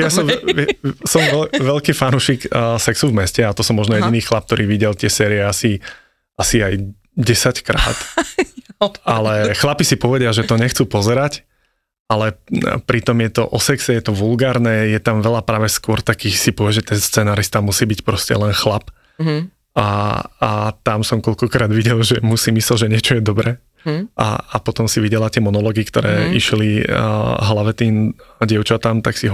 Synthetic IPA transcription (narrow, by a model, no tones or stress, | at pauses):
jasɔmɛɛsɔmʋɛlʋɛlkiːfanuːʃiːksɛksuvmɛscɛat̪ɔsɔmːɔʒnɔjɛɟiniːxlap̚t̪ɔɾiːʋiɟɛlt̪ɪɛsɛːɾiɛasi | asiaj | ɟɛsackɾa̰ːt̪ | alɛxlapisipɔʋɛɟɪaʒɛt̪ɔɲɛxt͡supɔzɛɾac | alɛpɾit̪ɔmjɛt̪ɔ̰ʔɔsɛksɛjɛt̪ɔʋulɡaːɾnɛjɛt̪amʋɛlapɾaːʋɛskʊɔɾt̪akiːxsipɔʋɛʒɛt̪ɛnst͡sɛnaːɾist̪amusiːbicpɾɔscɛ̰lɛnxlap | aat̪amsɔmkɔʎkɔkɾaːd̪ʋiɟɛlʒɛmusimislɛlʒɛɲɪɛt͡ʃɔjɛd̪ɔbɾɛː | a̰apɔt̪ɔmsiʋiɟɛlat̪ɪɛmɔnɔlɔːɡikt̪ɔ̰ɾɛ̰ːiʃlḭ | ɦlaʋɛt̪iːmɟɪɛʊt͡ʃat̪amt̪aksiɦɔ